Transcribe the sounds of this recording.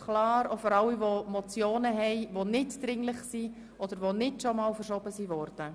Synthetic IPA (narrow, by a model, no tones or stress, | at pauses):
kʰlɑːɾofɔɾɑwiʋomɔt͡sjoːnəɦɛɪʋonɪtd̥ɾɪŋlɪχsi | ʔɔd̥̪əɾʋonɪtʃɔmɑːlfəɾʃɔbəsiʋɔɾd̥ə